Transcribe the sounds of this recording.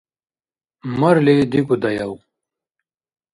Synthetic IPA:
mɐɾled̪ikud̪ɐjɐw

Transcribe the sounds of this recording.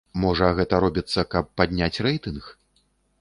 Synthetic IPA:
mɔʐɐɣɛt̪ɐɾɔbʲit̪sːɐkɐpːad̪ʲnʲat͡sʲrɛjt̪ɨnx

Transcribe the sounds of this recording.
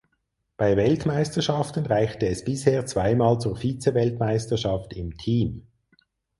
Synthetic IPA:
b̥aɪvɛltmaɪstəʃɑftən̩ʁaɪçtəɛsb̥ɪsheːɐt͡sv̥aɪmaːlt͡suːɐfiːt͡sɛvɛltmaɪstɐʃɑftɪmtʰiːm

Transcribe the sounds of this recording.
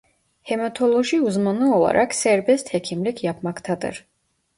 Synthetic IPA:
hɛmat̪ʰo̞lˠoʒiuzmanɯo̞lˠa̰ɾʔaksɛɾbɛst̪hecʰimlicʰjapmakt̪ʰad̪ɯ̰ɾ̥

